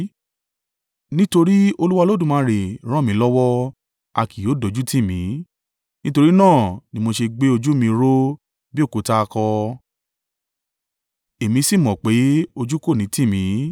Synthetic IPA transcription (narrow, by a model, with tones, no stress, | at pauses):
nĩ˦to˧ɾi˦o˧lu˦wa˧lo˦dũ˦˨mãː˨˦ɾe˨ɾ̃ɔ̃˦˨mĩ˨˦lɔ˦wɔ˦ | a˧kʰi˨jo˨˦do˨˦d͡ʒu˦tĩ˦˨mĩ˨˦ | nĩ˦to˧ɾi˦nãː˦˨nĩ˦mo˧ʃe˧ɡ͡be˦o˧d͡ʒu˦mĩ˧ɾo˦ | bi˦o˦˨ko˨˧ta˧kɔ˧ | e˨mĩ˧si˦˨mɔ̃˨k͡pe˨˦o˧d͡ʒu˦ko˦˨nĩ˨˦tĩ˦˨mĩ˨˦